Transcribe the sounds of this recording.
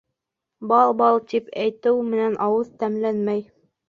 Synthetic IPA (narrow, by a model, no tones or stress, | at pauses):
bɑlˠbɑlˠt̪ipæjt̪ɘwmɘ̆nænʔɑwɤðt̪æmlænmæj